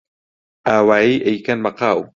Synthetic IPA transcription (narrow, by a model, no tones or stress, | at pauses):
ʔaːwaːiːʔejkanmɐqaːw